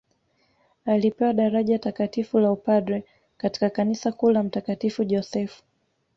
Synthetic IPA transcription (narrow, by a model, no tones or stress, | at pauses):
alipɛwaɗaɾaʄatakatifulaupadɾɛ | kati̥kakanisakulam̩takatifuʄɔsɛfu̥